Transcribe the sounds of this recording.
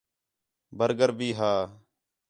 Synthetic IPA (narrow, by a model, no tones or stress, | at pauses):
bəɾɡəɾbiːɦaː